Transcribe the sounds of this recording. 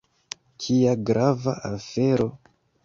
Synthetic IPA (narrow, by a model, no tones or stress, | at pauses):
kʰiaɡɾavaafeɾo̞